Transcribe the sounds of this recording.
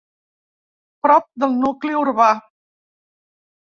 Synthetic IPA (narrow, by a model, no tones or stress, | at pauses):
pɾɔp̚d̪əlˠnukliuɾβa